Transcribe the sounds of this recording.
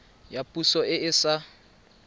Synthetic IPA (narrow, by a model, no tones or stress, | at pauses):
japʼusɔɪɪsa